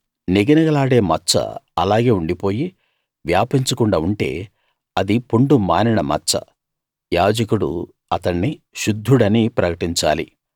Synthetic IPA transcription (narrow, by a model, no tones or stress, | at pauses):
niɡɐnɐɡɐlaːɽe̞ːmɐt͡ʃːɐ̰ɐ̰laːɡe̞ːuɳɖipo̞ːji | ʋjaːpiɲt͡ʃɐkuɳɖaːuɳʈe̞̰ː | ɐd̪ipuɳɖumaːniɳɐmɐ̰t͡ʃːɐ̰ | jaːd͡ʒɐkuɽṵ | ɐt̪ɐɳːiʃud̪ʱːuɽɐniːpɾɐkɐʈiɲt͡ʃa̰ːlḭ